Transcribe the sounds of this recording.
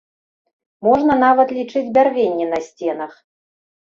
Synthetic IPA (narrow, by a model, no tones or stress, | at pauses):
mɔʐnɐnavɐt̪lʲit͡ʂɨd͡zʲbʲarvʲenʲːɛn̪ɐsʲt͡sʲɛnɐx